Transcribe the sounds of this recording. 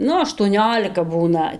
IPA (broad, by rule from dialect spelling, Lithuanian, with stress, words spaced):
ˈnʊ ɐʃtuɔˈnʲoːlʲɪkɐ ˈbuːnɐ